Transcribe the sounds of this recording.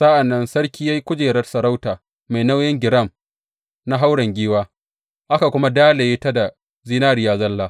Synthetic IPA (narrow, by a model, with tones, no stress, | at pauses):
sa˦ʔa˨nːɐ˦nsɐ˦rkʲiː˦ja˦ji˦kʷʊ˦d͡ʒeː˨ɾɐ˦rsɐ˨ɾa˦wtaː˨ | ma˨jna˦wjɪ˦ŋɡʲɪ˨ɽɐ˦˨m | na˦ɦa˦wɽɐ˨ŋɡʲiː˦waː˦ | ʔa˦ka˨kʷʊ˦ma˦daː˦la˨jeː˦ta˦da˨ | ziː˦naː˦ɾɪ˨jaː˨zɐ˦lːaː˦